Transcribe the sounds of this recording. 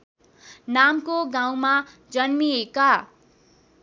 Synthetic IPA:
namkoɡãw̃ma | d͡zʌnmieka

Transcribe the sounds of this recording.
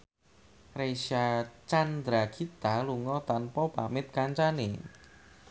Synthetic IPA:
resat͡ʃand̪ɾakʰit̪aluŋɔt̪anpɔpa̰mɪt̪̚kaɲt͡ʃanḛ

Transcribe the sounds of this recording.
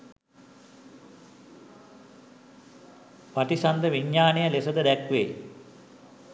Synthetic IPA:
paʈisand̪əʋiɲːaːnejəlesəd̪əd̪ækʋḛj

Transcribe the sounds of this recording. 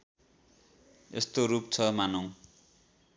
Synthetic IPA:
ḛst̪oɾup̚t͡sʰʌmanʌw̃

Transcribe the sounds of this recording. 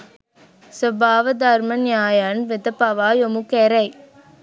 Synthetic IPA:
səbaːʋɐd̪aːɾmɐnjaːjaːnʋɪd̪ɐpaːʋaːjomukeɾɐj

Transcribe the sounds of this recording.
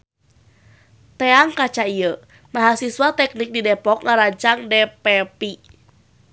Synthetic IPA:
t̪ɛaŋkat͡ʃaijə | maɦasiswat̪ɛk̚nik̚didɛpɔk̚ŋaɾaɲt͡ʃaŋdɛpɛpi

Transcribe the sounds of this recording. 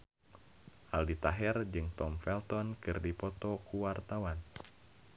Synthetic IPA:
ʔaldit̪aɦɛrd͡ʒɨŋt̪ɔmfɛlt̪ɔnkɨrdipɔt̪ɔkuwart̪awan

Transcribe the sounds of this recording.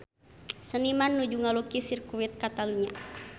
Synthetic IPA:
sənimanːud͡ʒuŋalukisirkuwit̪̚kat̪aluɲa̰

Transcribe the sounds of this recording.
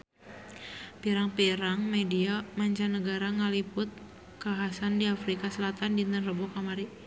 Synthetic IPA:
piɾaŋpiɾaŋmediamaɲt͡ʃanəɡaɾaŋəlipʊt̪̚ | kaɦasandiafɾikasəlat̪andint̪ənrəbɔkamaɾi

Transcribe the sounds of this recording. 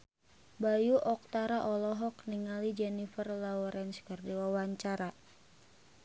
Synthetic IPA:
bajuʔɔk̚t̪aɾaʔɔlɔɦɔkniŋalid͡ʒɛnifərlaɔɾɛnskərdiwawaɲt͡ʃaɾa

